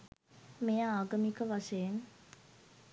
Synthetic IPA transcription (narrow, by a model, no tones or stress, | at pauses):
mejəaːɡɐmikəʋaʂəjeŋ